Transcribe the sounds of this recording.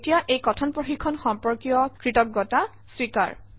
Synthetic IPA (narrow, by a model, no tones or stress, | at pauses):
tijaʔejkɔtʰɔnpɹoxikʰːɔnxɔmpɔɹkijɔkɹitɔk̚ɡɔta | swika̰ɹ